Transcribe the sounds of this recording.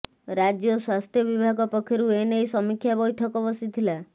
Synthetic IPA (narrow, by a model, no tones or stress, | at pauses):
ɾad͡ʒjɔswast̪ʰjɔbibʱaɡɔpɔkʰːeɾuenejsɔmikʰːjabɔjʈʰɔkɔbɔsit̪ʰila